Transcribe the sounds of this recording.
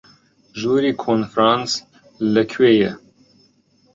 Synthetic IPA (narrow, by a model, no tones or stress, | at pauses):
ʒuːɾiːkʰonfɾɑːns | lɐkʰweːjɛ